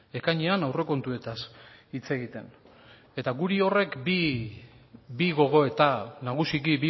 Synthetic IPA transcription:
e̞kaɲeanawre̞ko̞nt̪ue̞t̪asit͡se̞ɣit̪e̞n | e̞t̪aɣuɾio̞re̞kbi | biɣo̞ɣ̞o̞e̞t̪anaɣ̞usikibi

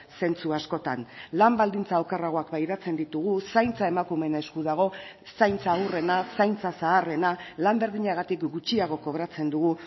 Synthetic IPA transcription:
se̞nt͡suasko̞t̪anlambald̪int͡saokeraɣ̞o̞akbajɾat͡se̞nd̪it̪uɣ̞usajnt͡sae̞makume̞nae̞skuðaɣ̞o̞sajnt͡sawre̞nasajnt͡sasaːre̞nalambeɾðiɲaɣ̞at̪ikɡut͡ʃiaɣ̞o̞ko̞β̞ɾat͡se̞nd̪uɣu

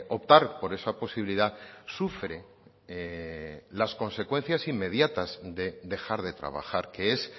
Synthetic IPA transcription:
ʔo̞p̚t̪aɾpo̞ɾe̞sapo̞siβiliðasufɾe̞ | lasko̞nse̞kwẽ̞n̟θjasimːe̞ð̞jat̪azðe̞d̪e̞xaɾðe̞t̪ɾa̰βa̰xaɾke̞es

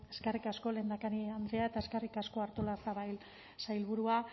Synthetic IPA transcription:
e̞skerikasko̞le̞ːnd̪akaniand̪ɾeae̞t̪ae̞skerikasko̞aɾt̪olat͡saβajl | sajlβuɾua

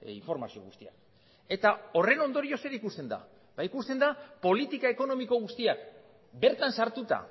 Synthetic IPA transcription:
iɱfo̞ɾma̰sio̞̰ɣust̪ia̰k | e̞t̪ao̞re̞no̞nd̪o̞ɾio̞se̞ɾikust̪e̞nd̪a̰ | baikust̪e̞nd̪apo̞lit̪ikae̞ko̞no̞miko̞ɣ̞ust̪iak | be̞ɾt̪ansaɾt̪ut̪a̰

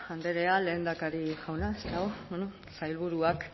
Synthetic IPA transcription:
and̪e̞ɾe̞ale̞ːnd̪akaɾiʝawnaest̪aɣoweno | sajlβuɾuak

